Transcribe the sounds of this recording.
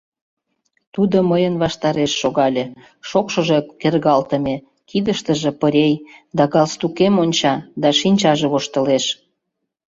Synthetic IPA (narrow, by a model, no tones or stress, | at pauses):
t̪ud̪oməjənβɑʃt̪ɑɾeʃːoɣɑlʲe | ʃokʃə̆ʒekerɣɑlt̪əmʲe | kid̪əʃt̪əʒepəɾʲejd̪ɑɣɑlst̪ukemonʲt͡ɕɑd̪ɑʃinʲt͡ɕɑʒeβoʃt̪əleʃ